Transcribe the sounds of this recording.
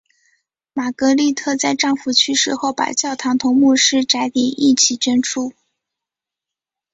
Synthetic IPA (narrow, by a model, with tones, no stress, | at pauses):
ma˨˩kɤ˧˥li˥˧t̪ʰɤ˥˧t͡sa˥˧ɪʈ͡ʂɑ˥˧ŋfu˧˥˩t͡ɕʰy˥ʂɻ̩˧˥xo˥˩ʊpa̰˨˩t͡ɕjɑ˥˩ʊt̪ʰɑ˧˥ŋt̪ʰʊ˧˥ŋmu˥˧ʂɻ̩˥ʈ͡ʂa˧˥ɪt̪i˨˩˦ʔi˥˩t͡ɕʰi˨˩t͡ɕɥɛ˥nʈ͡ʂʰu˥˩